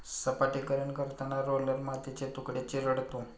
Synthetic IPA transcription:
səpaʈikəɾəɳkəɾt̪anaɾoləɾmat̪it͡ɕet̪ukɽet͡ɕiɾəɽt̪o

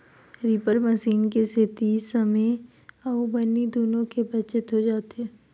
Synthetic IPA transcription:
ɾiːpəɾməsiːnkeset̪iːsɐme | ɔːbɐnid̪oːnõkebɐt͡ʃɪt̪ɦod͡ʒaːt̪ɛː

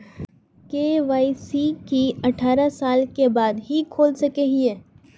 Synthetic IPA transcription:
keːʋaːisikiɐʈʰaːɾasaːlkebaːd̪ɦikʰoːlsɐkeɦiɛː

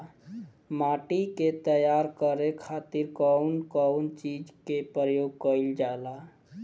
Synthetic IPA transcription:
maʈiket̪əjaɾkəɾekʰat̪iɾkɔʊnkɔwnt͡ʃid͡ʒkepɾəjoɡ̚kəild͡ʒala

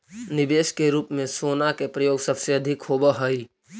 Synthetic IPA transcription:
nɪbeːʃkeɾuːpmẽsoːnakepɾəjoːɡsɐbseɐd̪ʱɪkhobəɦəi

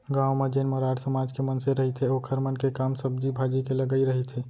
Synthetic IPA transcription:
ɡãːwmed͡ʒeːnməɾaːɽsəmaːd͡ʒkemənseɾəɦit̪ʰeoːkʰəɾmənkekaːmsəbd͡ʒibʱaːd͡ʒikeləɡəiɾəɦit̪ʰeː

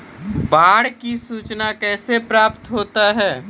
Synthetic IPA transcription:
baːɽkisuːt͡ʃnakɛːsepɾaːpt̪ɦoːt̪aɦɛː

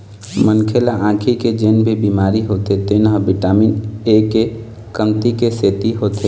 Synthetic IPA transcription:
mənkʰelaʔãːkʰiked͡ʒenbʱibimaːɾiɦot̪et̪enɦəbɪʈaːmineke | kəmt̪ikeseːt̪iɦoːt̪e

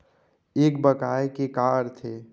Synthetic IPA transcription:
ekbəkajkekaɾt̪ʰe

